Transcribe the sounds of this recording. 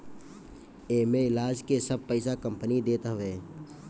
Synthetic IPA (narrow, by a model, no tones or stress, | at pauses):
eːmẽɪlaːd͡ʒkesəb̚pəɪsakə̃mpənid̪eːt̪aɦʋeː